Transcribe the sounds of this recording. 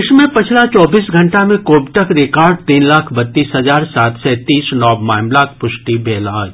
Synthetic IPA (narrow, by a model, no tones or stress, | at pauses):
ɪʃmẽpɪt͡ʃʰlat͡ʃɔːbiːsɡʱɐ̃ɳʈamẽkoːbʈəkɾɪkaːɾɖ̚t̪iːnlaːkʰbɐt̪ːiːsɦɐzaːɾsaːt̪sɛt̪iːsnɔːbmaːmlakʰpʊʃʈibʱeːlã̰